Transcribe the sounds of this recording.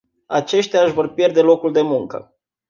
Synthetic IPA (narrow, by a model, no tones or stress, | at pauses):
a̰t͡ʃe̞ʃt̪eaɨʃvo̞rpje̞rd̪e̞lo̞kuld̪e̞muŋkə̰